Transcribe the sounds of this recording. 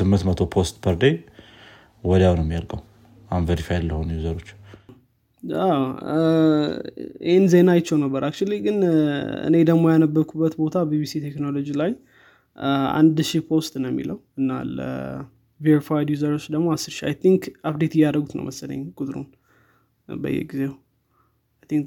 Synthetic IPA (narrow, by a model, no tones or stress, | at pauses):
sɨmːɨnt̪mət̪ʰo̞pʰost̪pʰəɾd̪ej | wɔd̪awnəmːijalɡəw | anveɾifajd̪ləhonjuzəɾo̞t͡ʃː | aw | ɪ̰henzenajɪt͡ʃːɛwnəbːəɾakt͡ʃuliɡɨnɨ̰ne̞d̪əɡmo̞janəbːəɾkʰubːət̪bo̞t̪ʰabibisit̪ʰeknolo̞d͡ʒilaj | a̰nd̪ʃipʰo̞wst̪ʼnəwɛmːḭləwɨnːa̰lə̰ | veɾifajd̪juzəɾo̞t͡ʃːd̪əɡmoasːɨɾʃia̰jt̪ʰiŋkaβd̪et̪ɪjad̪ɾəɡut̪nə̰wməsələ̰ɲːkʼut̪ʼɾṵn | bə̰jːɛ̰ɡize | ajt̪ʰiŋk